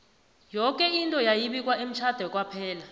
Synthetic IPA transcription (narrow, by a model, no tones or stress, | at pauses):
jɔkʼɛintʼɔjajiɓik̬ʼwaem̩t͡ʃʰad̥ʱɛk̬ʼwapʰɛːla